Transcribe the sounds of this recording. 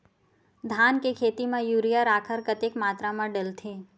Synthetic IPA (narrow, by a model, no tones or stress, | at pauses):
d̪ʱankekʰet̪imãjuɾijaɾakʰəɾkət̪ekmaːt̪ɾamãɖəlt̪ʰẽ